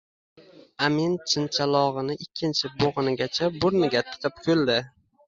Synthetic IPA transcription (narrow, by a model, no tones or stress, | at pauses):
amint͡ʃʰɪnt͡ʃʰalˠɒʁɨnɪʔɪkʲʰːɪnt͡ʃʰɪboʁɨnɪɡʲat͡ʃʰabʊɾnɪɡʲat̪ʰɨ̥qʰɨp̚kʲʰɵlˠd̪ɪ